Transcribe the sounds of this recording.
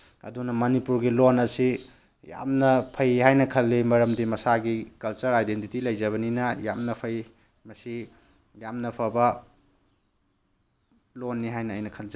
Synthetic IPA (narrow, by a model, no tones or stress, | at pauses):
ɐ̰dunɐmɐnipuɾɡilonɐsi | ja̰mnɐpʰɐjɦajnɐkʰɐlːimɐɾɐmdimɐsaɡikɐlt͡ʃɐɾajdentitilɐjzɐβɐninɐja̰mnɐpʰɐj | mɐsi | jamnɐpʰɐbɐ | lonːiɦajnɐːjnɐkʰɐlza